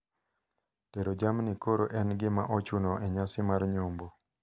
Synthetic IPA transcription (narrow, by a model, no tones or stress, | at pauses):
teɾod͡ʒamnɪkoɾoʔɛnɡɪma̰ʔɔt͡ʃunoʔɛɲasɪmaɾɲʊmbo